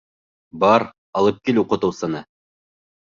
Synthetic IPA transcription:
bɑɾ | ɑlˠɤp̚kiluqɤ̆t̪ɤ̆wsɤ̆nɤ

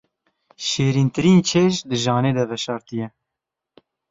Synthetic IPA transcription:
ʃeːɾiːnt̪ɨɾiːnt͡ʃʰeːʃd̪ɨʒɑːneːd̪ɛvɛʃɑːɾt̪ɨjɛ

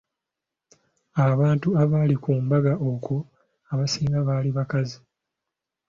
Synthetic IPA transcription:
aβaːntuaβaːlikuːmbaɡaʔoku | aβasiːŋɡaβaːliβakazi

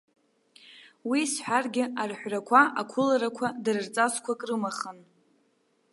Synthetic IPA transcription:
wisħʷᶣarɡʲɪarħʷrakʷʰaakʷʰʊlaɾakʷʰadɨrɨrt͡sʼazkʷʰakʼrɨmaχən

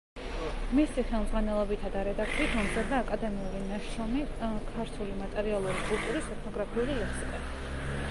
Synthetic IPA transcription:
misiχɛlˠmzʁanɛlˠɔbit̪ʰad̪aɾɛd̪akt̪ʰiit̪ʰɔmzad̪aːkʼad̪ɛmiulinaʃɔmikʰaɾt̪ʰulimat̪ʼɛɾialˠuɾikʼulˠt̪ʼuɾisɛt̪ʰnɔɡɾapʰiulilɛsiqʼɛ

